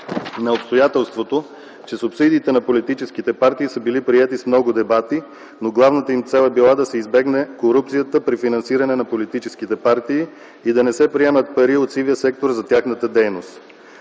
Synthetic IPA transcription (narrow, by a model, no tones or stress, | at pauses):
nɐopst̪ojat̪ɛlˠst̪vot̪o | t͡ʃɛsʊpsid̪iːt̪ɛnɐpolit̪it͡ʃɛsk̟it̪ɛpaɾt̪iːsəbilipɾiɛt̪ismnɔɡʊd̪ɛbat̪i | noɡlˠavnət̪əimt̪sɛlˠɛbilˠad̪ɐsɛizbɛɡnɛkoɾup̚t̪sijət̪əpɾifinɐnsiɾɐnɛnɐpolit̪it͡ʃɛsk̟it̪ɛpaɾt̪iː | id̪ɐnɛsɛpɾiɛmət̪̚pɐɾiot̪siviəsɛk̚t̪oɾzɐt̪ʲjaxnət̪əd̪ɛjnost̪